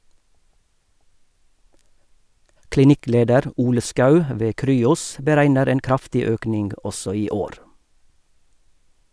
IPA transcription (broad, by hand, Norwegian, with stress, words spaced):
klɪˈnɪˌkleːdəɾ ˈuːlə ˈskɑʉ ə ˈʋeː ˈkɾyːʊs bəˈɾæɪnəɾ ˈeːn ˈkɾɑftɪ ˈøːknɪŋɡ ˈɔsɔ ˈiː ˈoːɾ